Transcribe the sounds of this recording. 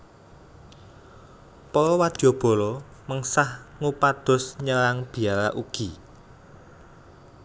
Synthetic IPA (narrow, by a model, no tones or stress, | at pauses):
pɔlɔwad̪̥jɔ̤b̥ɔ̤lɔməŋsahŋupad̪̥ʊ̤sɲəlaŋb̥i̤ala̰ʔuɡ̥i